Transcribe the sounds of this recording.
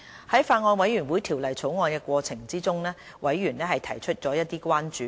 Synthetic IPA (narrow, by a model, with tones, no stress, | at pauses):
hɐ˨˥jfaː˧t̚ŋɔː˧nwɐ˨˥jɥy˨˩nwuː˨˥jt̪ʰiː˨˩wlɐ˨˩jt͡sʰo˨˥wŋɔː˧nkɛː˧kʷɔː˧t͡sʰɪ˨˩ŋt͡siː˥t͡sʊ˥ŋnɛː˥ | wɐ˨˥jːyː˨˩nlɛː˥ɦɐ˨jt̪ʰɐ˨˩jt͡ʃʰɵ˥t̚t͡ʃɔː˨˥jɐ˥t̚t̪iː˥kʷwaː˥nt͡ʃyː˨˦